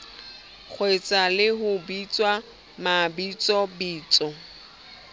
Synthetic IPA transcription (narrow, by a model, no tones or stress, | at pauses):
k͡xʰwet͡sʼalɪɦʊbit͡sʼwa | mabit͡sʼɔbiːt͡sʼɔ